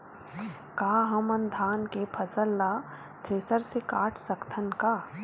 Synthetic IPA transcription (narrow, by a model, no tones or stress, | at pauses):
kaːɦɐmənd̪ʱaːnkepʰɐsəlːa | t̪ʰɾeːsəɾsekaːʈʰsɐkt̪ʰənkaː